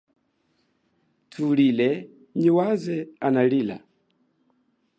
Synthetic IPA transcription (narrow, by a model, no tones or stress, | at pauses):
tʰulilɛ | ɲiwazɛanalila̰